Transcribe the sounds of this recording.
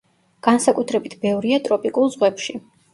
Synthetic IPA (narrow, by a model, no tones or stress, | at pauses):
ɡ̥ansakʼut̪ʰɾɛbit̪ʰbɛvɾiat̪ʼɾɔpʼikʼulˠzʁwɛpʃi